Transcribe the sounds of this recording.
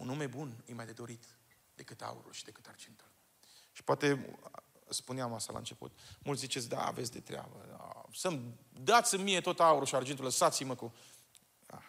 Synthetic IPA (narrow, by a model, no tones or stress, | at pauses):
ṵnume̞bunɨjmajd̪e̞d̪o̞ɾit̪ | d̪e̞kɨt̪a̰ṵɾṵlʃid̪e̞kɨ̥t̪ard͡ʒent̪u̥l | ʃi̥poat̪e̞ | spuneamaʃa̰la̰ɨnt͡ʃe̞pṵt̪mult̪sʲzit͡ʃetsʲd̪a̰a̰vesʲd̪e̞t̪ɾea̰bəa̰sɨmd̪at̪sʲɨnmie̞t̪o̞t̪auɾuʃiard͡ʒent̪uləsat̪siməku | a̰